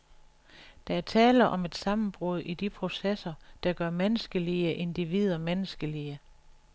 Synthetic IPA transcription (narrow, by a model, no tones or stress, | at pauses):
d̥æ̈æɐt͡sʰɛːlɐʔɒ̽me̝d̥sɑ̈mn̩b̥ʁoð̞̰ˠʔid̥ipʰʁo̝sesɐd̥ɑ̈ɡ̥ɶɐmenəsɡ̥əliəʔe̝nd̥iʋið̰ˠɐmenəsɡ̥əliə